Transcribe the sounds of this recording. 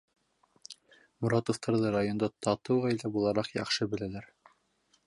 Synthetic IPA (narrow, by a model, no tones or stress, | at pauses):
muɾɑt̪ŏft̪ʰɑɾðɤɾajond̪ɑt̪ʰɑt̪ɤwʁɑjlæbulˠɑɾɑqjɑχʃɤbɘ̆lælæɾ